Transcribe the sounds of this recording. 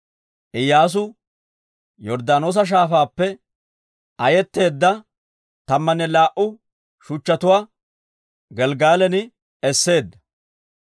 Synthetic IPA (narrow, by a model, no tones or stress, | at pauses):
ʔɪjːaːs̬ʊ | jɔɾd̪aːnoːs̬ɐʃ̬aːfaːpːɛ | ʔɐjɛt̪ːe̞ːd̪ːɐ | t̪ɐmːɐnɛlaːʔʊ | ʃʊt͡ʃːɐt̪ʊwaː | ɡɛlɡaːlɛnɪ | ɛsːe̞ːd̪ːɐ